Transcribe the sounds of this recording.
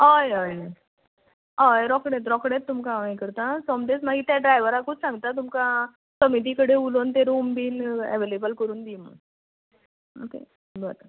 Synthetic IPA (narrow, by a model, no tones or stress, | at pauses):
ɦajəj | ɦajɾɔkɽẽt̪̬ɾɔkɽẽt̪ːumkãẽkəɾt̪ãsɔmʈesmaɡit̪jaɖɾajʋəɾakuːt͡ssãŋɡt̪at̪umka | səmit̪̬ikəɽeulont̪eɾumbiːlɛ̰ʋelebəlkəɾuːnd̪imə̰ | o̰kḛ | bət̪a